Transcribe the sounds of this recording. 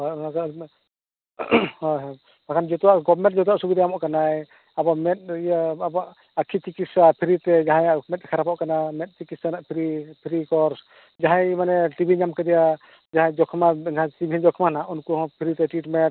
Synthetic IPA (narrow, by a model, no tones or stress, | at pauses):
ɔnaka | hɔ | pakʰand͡ʒɔt̪uwaʔɡɔbmɛ̃ʈ̚t̚d͡ʒɔt̪̬uwaʔsubid̪ajamɔʔkanaj | abɔmɛt̪̚jabaʔ | akʰit͡ʃikit̪sapʰiɾit̪ɛd͡ʒaɦãjmɛt̪̚kʰaɾapɔʔkanamɛt̪̚ˀt͡ʃikit̪sanaʔpʰiɾipʰiɾikɔɾs | d͡ʒaɦãjimanɛʈibʱiɲamkɛd̪ɛja | d͡ʒaɦãjd͡ʒɔkʰmaãtibʱiɛd͡ʒɔkʰmanaʔunkuɔ̃pʰiɾit̪ɛʈiʈmɛt̚